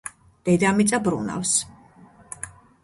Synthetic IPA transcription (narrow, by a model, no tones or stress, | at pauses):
d̪̥ɛd̪amit̪sʼabɾṵna̰fs